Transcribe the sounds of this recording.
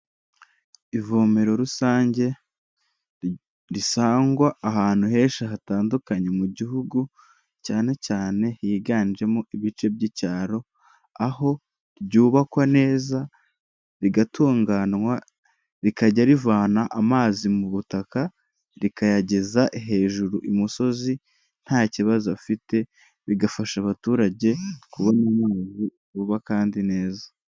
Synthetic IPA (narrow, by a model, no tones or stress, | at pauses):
ivo̞ːme̞ɾo̞ɾusaːɲɟe̞ | ɾisaːŋɡwaːɦaːn̥huɦe̞ːʃaɦataːndukaɲe̞muɟiɦuɡu | caːne̞caːne̞hiːɡaːnid͡ʒe̞moiβit͡ʃe̞b̚ɟiːcaːɾo̞ | aho̞ | ɾɟuːβakwane̞ːza | ɾiɡatʰuːŋɡaːnŋwa | ɾikaɟaɾivaːnaʔamaːzimuβutaka | ɾikajaɟe̞zaʔiɦe̞ːʒuɾuʔimuso̞zi | n̥haːciβazafite̞ | βiɡafaʃaβatuːɾaɟe̞kuβo̞namaːzi | uːβakaːndine̞ːza